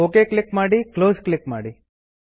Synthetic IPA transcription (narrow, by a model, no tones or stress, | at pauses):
okeklɪkmaɽikloːzklɪkmaɽi